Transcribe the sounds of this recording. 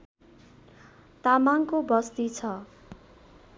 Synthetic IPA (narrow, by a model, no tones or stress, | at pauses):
t̪amaŋkobʌst̪it͡sʰʌ